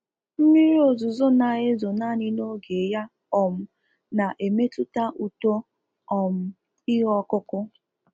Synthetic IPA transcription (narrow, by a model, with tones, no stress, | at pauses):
m̩˦mi˦ɾi˦o˨zʊ˨zʊ˦na˨ɣe˦zʊ˨na˦ɲɪ˦no˦ɡe˨ja˦ | ɔ˨m̩˦ | na˨ʔe˨me˦tʊ˦ta˦ʔu˨to˦ | ɔ˨m̩˦ | ɪ˦ɦɔ˦kʊ˦kʊ˦